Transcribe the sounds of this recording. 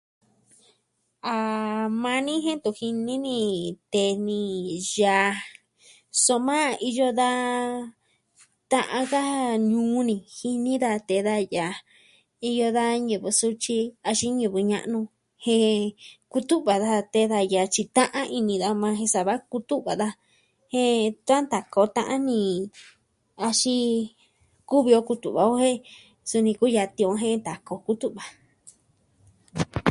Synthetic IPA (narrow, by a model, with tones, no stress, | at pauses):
a˨˧mã˧nĩ˦ɦẽ˦t̪u˧hi˧nĩ˦nĩ˧t̪e˧˨nĩ˧ja˨˧ | so˧mã˦i˧jo˧ða˦ | t̪ã˧ʔã˧ka˦ɲũː˨˦nĩ˧hi˧nĩ˦ða˧t̪e˧˨ða˧ja˨ | i˧jo˧ða˦ɲu˨βɨ˧su˦t͡ʃi˧a˧ʃi˦ɲu˧˨βɨ˧ɲã̰˧ʔnũ˧ | hẽ˧ku˦t̪u˦ʔβa˨ða˧t̪e˧ða˧ja˨t͡ʃi˧t̪ã˦ʔã˦ʔi˧nĩ˧ða˧mã˧ɦẽ˧sa˨βa˦ku˧t̪u˦ʔβa˨ða˧ | hẽ˦t̪ã˦nt̪a˨ko˨˧t̪ã̰˧ʔnĩ˧ | a˧ʃi˦ | ku˦βi˧o˧ku˧t̪ṵ˨βa˨o˦hẽ˦ | su˧nĩ˧ku˦ja˧t̪ĩ˧õ˧˦ɦẽ˦nt̪a˨ko˧ku˦t̪u˦ʔβa˨